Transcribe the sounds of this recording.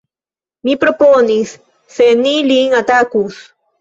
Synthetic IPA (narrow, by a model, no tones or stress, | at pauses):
mipɾoponisː | eniliŋat̪akus